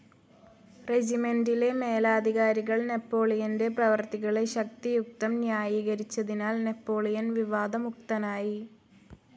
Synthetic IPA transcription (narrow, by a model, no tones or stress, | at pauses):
red͡ʑime̞ndile̞me̞ːlaːd̪ʱiɣaːɾiɣɐɭnepːo̞ːɭijɐnde̞prɐʋɐrt̪iɣɐɭe̞ɕɐk̚t̪ijuk̚t̪ɐmnjaːjiːɣɐɾit͡ɕːɐðinaːlne̞pːo̞ːɭijɐnʋiʋaːd̪ɐmuk̚t̪ɐnaːji